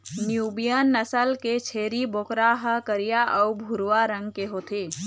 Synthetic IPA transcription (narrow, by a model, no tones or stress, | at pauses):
njuːbijənːəsəlket͡ʃʰeːɾiboːkɾaɦəkəɾijaʔɔʊbʱuɾwaɾə̃ŋɡkeɦoːt̪ʰeː